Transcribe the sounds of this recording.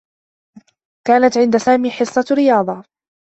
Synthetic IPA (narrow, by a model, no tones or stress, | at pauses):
kaːnat̪ʕɪnd̪asaːmiːħɪsˤːɑɾɪjɑːd̪ˤɑ